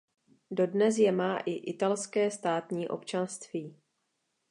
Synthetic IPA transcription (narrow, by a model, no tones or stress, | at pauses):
do̞dnɛs̬jɛmaːʔɪʔɪt̪alskɛːst̪aːt̪ɲiːʔo̞̰pt͡ʃanst̪viː